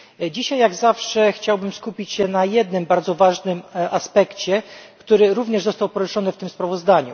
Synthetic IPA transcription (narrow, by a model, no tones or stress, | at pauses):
d͡ʑiɕajːaɡzafʂɛxt͡ɕawbɘmskupʲit͡ɕɕɛnajɛd̪nɘmbaɾd̪zɔvaʐnɘmaspɛkt͡ɕɛkt̪uɾɘɾuvɲɛʐzɔst̪awpɔɾɘʂɔnɘft̪ɘmspɾavɔzd̪aɲṵ